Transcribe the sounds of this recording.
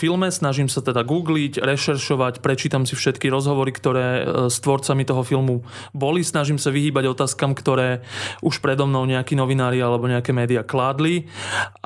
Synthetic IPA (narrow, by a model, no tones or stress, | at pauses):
filmɛsnaʒimsat̪ɛd̪aɡuːɡlicɾɛʃɛɾʃɔʋacpɾɛt͡ʃiːt̪amsifʃɛt̪kiɾɔzɦɔʋɔɾikt̪ɔɾɛːst̪ʋɔɾt͡samit̪ɔɦɔfilmu | bɔlisnaʒimsaʋiɦiːbaɟɔt̪aːskamkt̪ɔɾɛːʔuʃpɾɛd̪ɔmnɔʊɲɛakinɔʋinaːɾialɛbɔɲɛakɛːmɛːd̪iaklaːd̪li